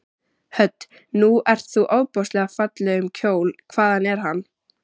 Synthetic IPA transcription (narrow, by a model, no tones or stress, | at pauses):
hœt̪ː | nuɛr̥t̪θuʔaːwpɔst̪lɛɣafat̪lɪʏmcʰoːwlkʰvaːðanɛɾ̥ɦanː